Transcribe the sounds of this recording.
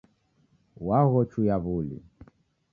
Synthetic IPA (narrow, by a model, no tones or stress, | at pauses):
waɣɔt͡ʃujaβulḭ